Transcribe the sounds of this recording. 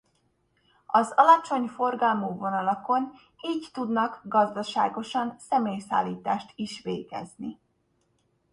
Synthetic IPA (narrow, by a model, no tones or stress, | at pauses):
ɒzɒlɒt͡ʃo̞ɲfo̞rɡɒlmoːvo̞nɒlɒko̞n | iːɟt̪ud̪nɒkɡɒzd̪ɒʃaːɡo̞ʃɒnsɛmeːjsa̰ːlːiːt̪aːʃt̪iʃʋḛːɡɛ̰zni